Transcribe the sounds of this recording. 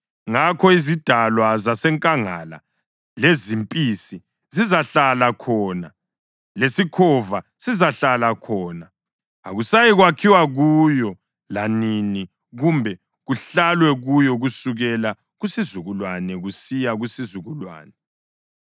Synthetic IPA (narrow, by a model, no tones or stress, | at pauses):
ŋakʰɔizid̥ʱalwazasɛŋkʼaŋa̰la̰ | lezimpʼisi | zizaɬalakʰɔːna | lesikʰɔvasizaɬalakʰɔːna | a̰ɣusajiɣwakʰiwaɣujɔ | lanini | ɣumbʱɛ | ɣuɬalwɛɣujɔɣusuɣɛla | ɣusizuɣulwanɛɣusijaɣusizuɣulwa̰ːnɛ